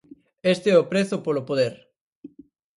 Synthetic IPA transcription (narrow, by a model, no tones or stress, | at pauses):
est̪eɛopɾeθʊpolopoðeɾ